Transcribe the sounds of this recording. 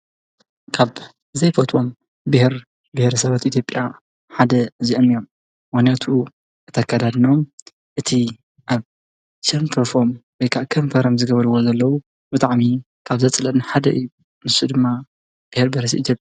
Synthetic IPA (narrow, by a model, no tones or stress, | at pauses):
kʰaβ | zɐjfot̪ʼo̞m | bɨhɾ | bɨhɾɐsɐβat̪ʔit̪ʰjo̞pʼːja | ħad̪ɐɨziʔɐmːijom | mɨxnijat̪ʰu | ʔɨt̪ʰakʰːad̪ad̪nom | ʔɨt̪ʰi | ʔaβ | t͡ʃɐnpʰɐɾfomwojkʰaʔkʰɐmfɐɾɐmzɨɡɐβɐɾɨwozɐlːɐwu | b̥ɨt̪ʼaʕmi | kʰaβzɐt͡sʼɨlɐnħad̪ɐʔɨjːu | mɨsud̪ɨmːa | b̥ɨhɾbɐɾɐs̬iit̪ʰjopʼ